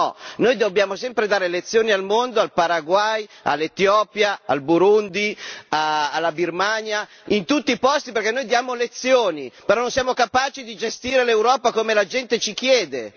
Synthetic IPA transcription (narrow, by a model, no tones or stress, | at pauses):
ɔnoːjd̪objaːmosɛmpɾed̪aːɾelet̪sːjoːnialmond̪oalpaɾaɡwaja̰lːet̪jɔːpjaalbuɾund̪iaalːabirmaɲa | int̪ut̪ːiːpɔst̪iperkɛnːojd̪jaːmolet̪sːjoːnipeɾɔnːonsjaːmokapaːt͡ʃid̪id͡ʒest̪iːɾelewɾɔːpakomelad͡ʒɛnt̪et͡ʃik̟jɛːd̪e